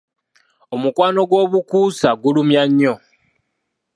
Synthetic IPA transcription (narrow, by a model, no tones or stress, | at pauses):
omukwaːno̞ɡwo̞ːβukuːsaɡulumjaɲːo̞